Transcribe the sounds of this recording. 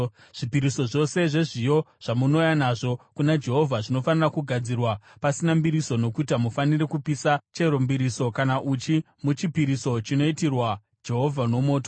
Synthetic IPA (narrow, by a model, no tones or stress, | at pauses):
ʐ̥ipiɾiso̞ʐo̞se̞ʐe̞ʐijo̞ʐ̥amuno̞janaʐo̞kunad͡ʒe̞ɦo̞vʱaʐino̞fanirakuɡʱad͡zirwapasinambiɾiso̞no̞kut̬amufanirekupisat͡ʃe̞ɾombiɾiso̞kanaʔut͡ʃi | mut͡ʃipiɾiso̞t͡ʃino̞itirwa | d͡ʒe̞ɦo̞vʱano̞mo̞ːto